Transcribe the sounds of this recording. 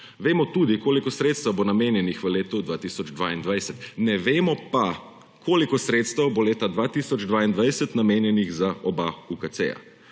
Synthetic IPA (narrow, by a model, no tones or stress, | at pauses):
ʋeːmɔt̪ud̪ikoːlikɔsɾeːt̪st̪əwbonameːnjɛnixʋəleːt̪ud̪ʋaːt̪isɔd͡ʒd̪ʋaind̪ʋajsɛt̪nɛʋeːmɔpa | kʰoːlikɔsɾeːt̪st̪əwboleːt̪ad̪ʋaːt̪isɔd͡ʒd̪ʋaːind̪ʋajsət̪nameːnjɛniɣzaɔbaukat̪sḛja̰